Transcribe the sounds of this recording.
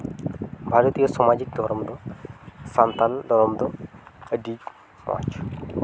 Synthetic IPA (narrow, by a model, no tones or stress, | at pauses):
bʱaɾot̪ijosɔmad͡ʑik̚d̪ʱɔɾɔmd̪ɔsant̪and̪ʱɔɾɔmd̪ɔəɖi | ma̰t͡ʃ